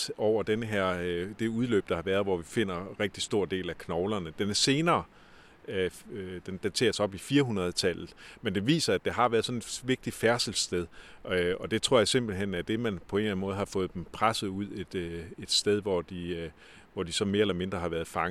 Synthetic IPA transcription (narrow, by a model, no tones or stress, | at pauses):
ɒʊ̰ɐd̥enəɦæɐ̰d̥e̝uðˠlø̰ːb̥̚d̥ɑ̈hɑ̈ʋæːɐð̞ˠʋɒʋife̝n̰ɐʁeɡ̥̚d̥isd̥o̝ɐ̰d̥e̝̰ːlækʰnɒʊlɐnəd̥enæɐse̝ːnɐː | d̥end̥æt͡sʰe̝̰ːɐsɒ̽b̥ifiːɐɦunʁɐð̞̩ˠt͡sʰæl̰ð̩ˠmend̥e̝ʋḭːsɐæd̥eɦɑ̈ʋæːɐðˠsɒ̽ne̝d̥ʋe̝ɡ̥̚d̥i̥fæɐsl̩sd̥eð̞ˠʔøɒ̽d̥e̝t͡sʰʁo̝ɐjɑ̈se̝mb̥l̩ɦen̰æɐd̥e̝mænpʰɒ̽e̝ːnlæn̩mɔ̽ːð̩ˠhɑ̈fɔ̽ːð̞̩ˠd̥empʰʁasð̩ˠuð̰ˠe̝d̥e̝d̥sd̥eð̞ˠʋɒd̥i | ʋɒd̥isɒ̽me̝ːɐelɐme̝nd̥ʁɐɦɑ̈ʋæːɐð̞̩ˠfɑ̈ŋ